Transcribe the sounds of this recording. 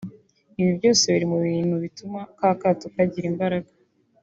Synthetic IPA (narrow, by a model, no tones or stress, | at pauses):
iβibɟo̞ːse̞βiɾimuβiːn̥huβitumakaːkatukaɟiɾimbaɾaɡa